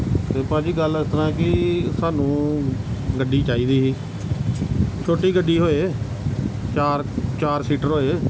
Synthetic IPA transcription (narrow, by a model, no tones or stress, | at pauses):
t̪eːpãːd͡ʒiːɡəlɪst̪əɾãːɛːkɪsaːnũː | ɡəɖːiːt͡ʃaːiːd̪iːɦiː | t͡ʃʰoːʈiːɡəɖːiːɦoːeː | t͡ʃaːɾt͡ʃaːɾsiːʈəɾɦoːeː